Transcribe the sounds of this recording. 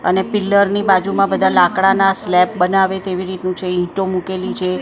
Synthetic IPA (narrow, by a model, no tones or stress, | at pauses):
ənepɪlːəɾnibad͡ʒumãbəd̪ʱalãkɽanaslɛp̚bənaʋet̪eʋiɾit̪nũt͡ʃʰeɦĩʈomukelit͡ʃʰe